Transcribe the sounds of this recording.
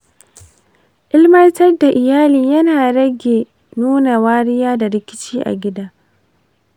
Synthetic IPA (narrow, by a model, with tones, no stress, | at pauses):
ʔɪ˦lmɐ˦ntɐ˦rda˨ʔɪ˨jaː˦liː˨jɐ˦naː˨ɽɐ˦ɡʲe˨ | nuː˦na˨waː˦ɽɪ˦jaː˦da˨ɽɪ˦kʲɪ̥˦t͡ʃiː˦ʔa̰˨ɡʲɪ˦daː˦